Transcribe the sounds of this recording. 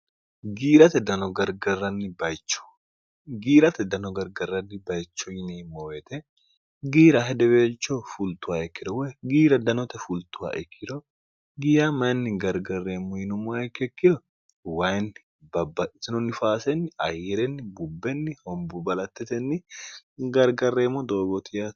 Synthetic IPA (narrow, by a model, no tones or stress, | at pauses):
ɡiːɾɐt̪ɛd̪ɐnɔɡɐɾɡɐrːɐnːɪbɐjt͡ʃːɔ̥ | ɡiːɾɐt̪ɛd̪ɐnɔɡɐɾɡɐrːɐnːɪbɐjt͡ʃːɔjɪnimoːwɛt̪ɛ | ɡiːɾɐɦɛd̪ɛbeːlt͡ʃːofult̪ʊaɛkːɪd̪ɔwɛɡiːɾɐd̪ɐnɔt̪ɛfult̪ʊa̰ʔɛkʰːɪd̪ɔ | ɡiːɾamɐnːɪɡɐɾɡɐrːemːɔjɪnʊmʊɛkːɛkːɪd̪ɔ | wajnɪ | bɐbɐsɪnɔnːɪfaːsɛnːɪɐ̰jːɛɾɛnːɪbʊbːɛnːɪhɔmbʊbɐlɐt̪ːɛt̪ɛnːɪɡɐɾɡɐrːemːɔd̪oːɡɔt̪ɪjɐ